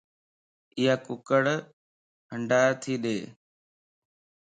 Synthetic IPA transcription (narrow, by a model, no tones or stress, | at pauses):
ɪɦaːkʊkəɽ | ɦəɳɖaːt̪ʰiːɗeː